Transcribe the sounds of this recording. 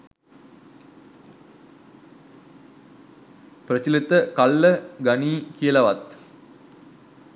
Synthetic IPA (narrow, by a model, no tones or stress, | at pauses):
prət͡ɕilit̪əkalːəɡaniːkijəlaʋat̪